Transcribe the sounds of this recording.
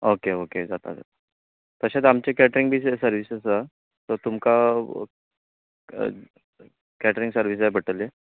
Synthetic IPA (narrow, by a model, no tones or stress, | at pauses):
okeoked͡zat̪a̰d͡za̰t̪ḁ | t̪əɕat̪amt͡ɕekæʈɾiŋɡbʱiːssəɾʋisəsəa | t̪ɔt̪umka | kæʈəɾiŋɡsəɾʋis̬ajbʱəʈəle